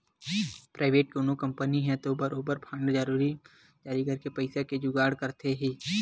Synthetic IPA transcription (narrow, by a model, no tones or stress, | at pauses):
pɾaːʋeːʈ̚koːnõkɐ̃mpəniɦɛ̃t̪obəɾoːbəɾpʰə̃ɳɖd͡ʒəɾuːɾi | d͡ʒaːɾikɐɾkepəɪsaked͡ʒʊɡaːɽkəɾt̪eɦiː